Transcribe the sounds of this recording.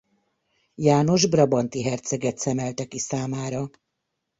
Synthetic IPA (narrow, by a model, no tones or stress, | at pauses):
jaːno̞ʒbrɒbɒnt̪iɦɛrt̪sɛɡɛt̪sɛmɛlt̪ɛkisaːmaːɾɒ